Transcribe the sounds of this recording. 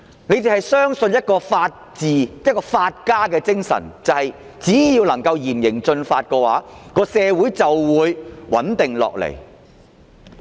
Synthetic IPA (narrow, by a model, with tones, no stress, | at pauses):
ne˨˧jt̪e˨˩hɐ˨jsœː˥ŋsɵ˧njɐ˥t̚kɔː˧faː˧t̚t͡siː˨jɐ˥t̚kɔː˧faː˧t̚kaː˥kɛː˧t͡sɪ˥ŋsɐ̰˨˩nt͡sɐ˨˧hɐ˨j | t͡siː˨˥jiː˧wlɐ˨˩ŋkɐ˧wjiː˨˩mjɪ˨˩ŋt͡ʃɵ˧nfaː˧t̚kɛː˧wa̰ː˨˥kɔː˧sɛː˧wuː˨˥jt͡sɐ˨wːuː˨˧jwɐ̰˨˥nt̪ɪ˨ŋlɔ̰ː˨k̚lḛ˨˩j